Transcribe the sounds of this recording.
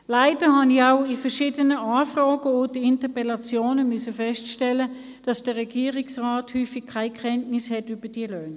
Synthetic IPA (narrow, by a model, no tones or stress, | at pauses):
laɪd̥əhɑnɪçaʊifəʃiːdənəaːfʁɔːɡəodəɪntəpɛlɑt͡sjoːnəmysəfɛstʃtɛlə | d̥ɑsd̥əʁɛɡiːəʁɪksʁaːthyːfɪkʰːaɪkʰɛntnɪshɛtyb̥əd̥iəløːn